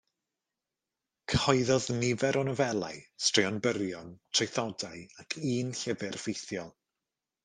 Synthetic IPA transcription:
kʰhɔɨðɔðnɪvɛɾʔɔnɔvɛlˠa̰ɨstrɪɔnbərjɔntʰrejθɔdaɨakʰiːnɬəvɨrfejθjɔlˠ

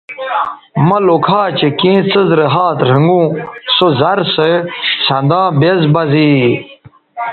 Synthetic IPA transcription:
mɐlokʰaːt͡ɕekĩːt͡səzɾɐɦaːt̪ɾɐŋɡũːsozɐɾsesɐ̃nd̪ãːbezbɐzi

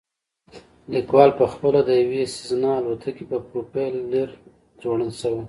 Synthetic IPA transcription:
likwɑlpəxpəlad̪əjawesiznɑːlot̪ʰakipəpɾopelːeɾ | zwoɽəlʃəwe

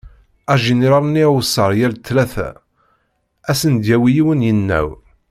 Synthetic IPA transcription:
æʒiniɾɑɾˤniwsːɑɾˤjælt̪ːlæθæ̰ | æsənd̪jæwijiwənjənːæ̰w

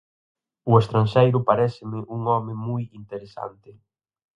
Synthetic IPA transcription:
ʊest̪ɾanʃejɾʊpaɾɛsɪmɪʔuŋɔmɪmujint̪eɾesa̰nt̪ɪ

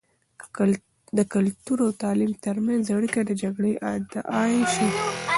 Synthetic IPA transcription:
d̪əkʊlt̪uɾawt̪ɑlimt̪əɾmanzaɽikad̪əd͡ʒaɡɽəjʔad̪ʔɑʃi

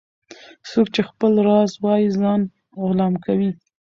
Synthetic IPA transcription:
sokt͡ʃexpəlɾɑzwɑjizɑn | ʊlɑmkawi

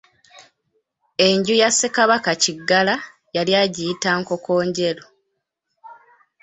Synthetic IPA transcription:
e̞ɲɟujasːekaβakaciɡːala | jaljaːɟijitaːŋko̞ko̞ːɲɟe̞lo

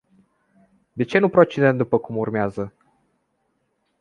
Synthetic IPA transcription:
d̪e̞t͡ʃe̞nupɾo̞t͡ʃed̪ent̪̚d̪upəkumurmeazə

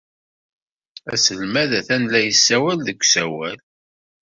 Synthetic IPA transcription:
æ̰səlmæðæθænlæjəsːæwælðəkʷːsæwæl

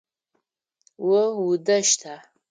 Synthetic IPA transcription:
wʊwʊdɐʃtʰaː

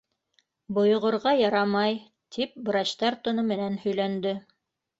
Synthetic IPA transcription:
bŏj̆ʁŏɾʁɑjɑɾɑmɑj | t̪ʰip̚bɾɑɕt̪ɑɾt̪ŏnɤmɘ̆nænhɵ̆jlænd̪ɘ

